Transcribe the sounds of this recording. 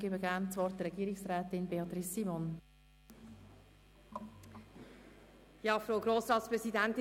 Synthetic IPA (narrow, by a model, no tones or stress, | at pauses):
ɡ̥ɪbəɡæːnt͡sʋɔrt̚dɾɛɡiːɾɪksɾɛːt̪ɪnbeɑt̪ɾisːimon | jɑːfɾoʊɡɾoːsɾɑːt̪spɾɛzidɛnt̪ɪ